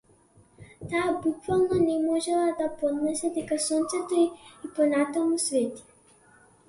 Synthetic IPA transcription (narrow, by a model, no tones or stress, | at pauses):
t̪aːbukvalˠnɔnɛmɔʒɛlˠad̪apɔd̪nɛsɛd̪ɛkasɔnt̪sɛt̪ɔiipɔnat̪amusvɛt̪i̥